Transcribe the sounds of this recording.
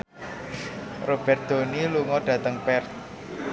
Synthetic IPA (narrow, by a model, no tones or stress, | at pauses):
rob̥ɛrt̪̚d̪̥o̤niluŋɔɖ̥ä̤t̪əŋpɛrt̪̚